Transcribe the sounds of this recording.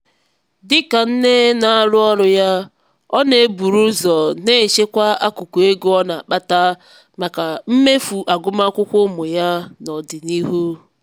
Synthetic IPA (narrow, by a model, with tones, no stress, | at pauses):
dɪ˦ka˨n̩˦ne˦na˨a˦lʊ˦ɔ˦ɾʊ˨ja˦ | ɔ˦ne˨˦bu˨ɾu˦zɔ˨ne˦˨ʃe˦kʷa˦a˦ku˨ku˨e˦ɡu˦ɔ˦na˨k͡pa˦ta˦ | ma˨ka˨m̩˦me˦fu˨ʔa˨ɡʊ˦ma˦kʷʊ˦kʷʊ˦mʊ˨ja˦nɔ˨dɪ˨ni˦ɦu˦